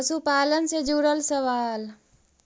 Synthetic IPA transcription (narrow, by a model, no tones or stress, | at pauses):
supaːlənsed͡ʒuɽəlsəʋaːl